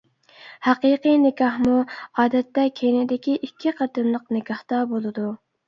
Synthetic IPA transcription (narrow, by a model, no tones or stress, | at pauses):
hæqiqɨjnɪkʲɑhmuɑːd̪ɛt̪ːɛkʲʰejnɪd̪ɪkʲiʔikʲʰːiqʰəɾt̪ɨnlˠəqnɪkʲɑht̪ɑbolˠɨd̪u